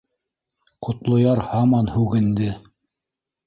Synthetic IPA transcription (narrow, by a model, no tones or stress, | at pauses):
qŏt̪lˠŏjɑɾhɑmɑnhʉɡɘ̆nd̪ɘ